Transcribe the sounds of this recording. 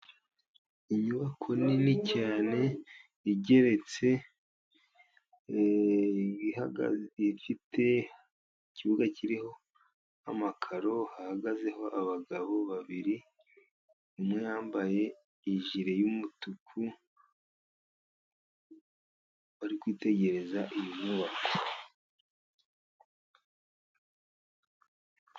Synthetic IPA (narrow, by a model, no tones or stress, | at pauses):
iɲuβakʰo̞ninicaːne̞ | iɟe̞ɾe̞t͡se̞ | βiaifitʰe̞ | ciβuɡaciɾiho̞ | amakʰaɾo̞hahaɡaze̞ɦo̞ʔaβaɡaβo̞βaβiɾi | umŋejaːmbaje̞ | iʒiɾe̞jumutukʰu | βaɾikwiːte̞ɟe̞ɾe̞zaʔijumuβakʰo